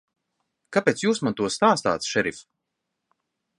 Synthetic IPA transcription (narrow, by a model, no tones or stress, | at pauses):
kapeːt̪sjuːsmant̪uɔst̪aːst̪a̰ːt̪sʃɛɾif